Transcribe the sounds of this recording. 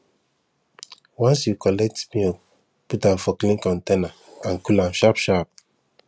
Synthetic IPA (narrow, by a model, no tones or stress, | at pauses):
wɔ̃nsjukɔlɛk̚tmio | putafɔklĩnkɔ̃ntena | ãnkulãmʃapʃap̚